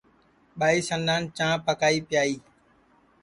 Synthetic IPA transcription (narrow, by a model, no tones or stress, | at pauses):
ɓaːiːsənd̪ãːnt͡ʃãːpəkaːiːpɪjaːiː